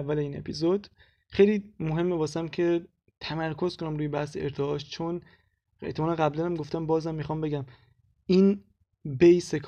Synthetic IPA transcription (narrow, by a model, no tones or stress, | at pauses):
vːæleiːne̞̰pʰizod̪̥ | xejliːmoɦe̞mːebɒːsæmcʰe̞ | t̪ʰæmæɾkʰo̞zkʰonæmɾuːjebæhseeɾt̪ʰeɒːʃt͡ʃʰon | ḛht̪ʰeɒːneɣæblænæmɡoft̪æmbɒːzhæmːixɒːmbe̞ɟæm | in | bejsekʰ